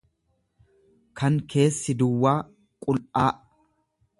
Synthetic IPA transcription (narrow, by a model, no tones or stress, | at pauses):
kʰɐŋkʰe̞ːsːɪd̪ʊwːaː | kʼʊlʔaːʔ